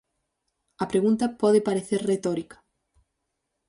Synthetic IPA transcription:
ɐpɾeɣunt̪ɐpɔðepaɾeθeɾret̪ɔɾikɐ̥

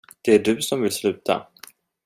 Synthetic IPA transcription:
d̪̥ɛæɖɵsɔmvɪlslʉ̟ːt̪ʰa̰

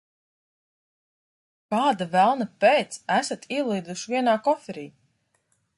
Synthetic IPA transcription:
kaːd̪avælˠnapɛːt̪sæsat̪ʰiɛlˠiːd̪uʃvʲiɛnaːkɔfɛɾiː

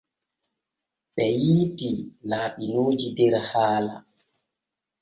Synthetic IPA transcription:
ɓɛjiːtilaːɓinoːd͡ʒidɛɾhaːla̰

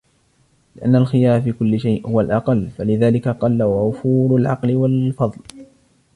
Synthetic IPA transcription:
lɪʔanːalxɪjaːɾfiːkʊlːɪʃajʔhʊwalʔɑqɑlːfalɪðaːlɪkaqɑlːawaʔʊfuːɾalʕɑqlɪwalfɑðˤl

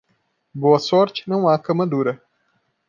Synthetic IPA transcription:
boɐsɔɾt͡ʃnɐ̃w̃aːkɐmɐd̪uɾɐ

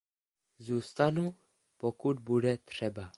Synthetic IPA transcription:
zuːst̪anu | pokud̪̚budɛt̪r̥ɛba

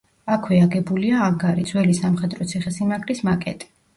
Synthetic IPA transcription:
akʰwɛaɡɛbuliaːŋɡaɾid̪z̥wɛlisamχɛd̪ɾɔt̪sʰiχɛsimaɡlismakʼɛ̰t̪ʼi̥

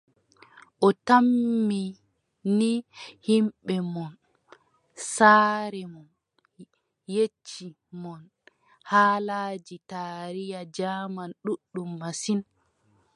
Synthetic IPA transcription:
ʔɔtamːi | nihimɓɛmɔn | saːɾɛmɔn | jet͡ʃːi | mɔn | haːlaːd͡ʒitaːɾijad͡ʒaːmanɗuɗːumːasin

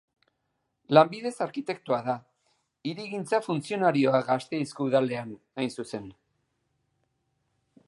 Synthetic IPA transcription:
lambið̞e̞saɾkit̪e̞k̚t̪uaða | iɾiɣint͡safunt͡sio̞naɾio̞aɡast̪e̞iskuuðale̞an | ajnsuse̞n

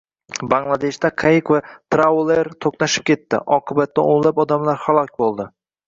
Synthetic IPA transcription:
baŋlˠad̪e̞ʃt̪aqʰajɪqvat̪ɾawlˠeɾt̪ʰoqnaʃɪ̥p̚kʲe̞t̪ːɪ̰ʔɒqʰɨbat̪ːaoŋlapɒd̪amlaɾhalˠɒkʲbolˠd̪ɪ

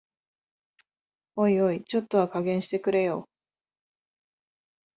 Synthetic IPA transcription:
o̞io̞it͡ɕo̞t̪ːo̞βakaɡẽ̞ɰ̃ɕi̥t̪e̞kɯ̟ɾe̞jo̞ː

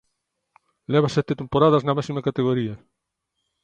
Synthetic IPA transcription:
lɛβ̞ɐsɛt̪et̪empoɾaðɐznɐmasimɐkat̪eɣoɾiɐ

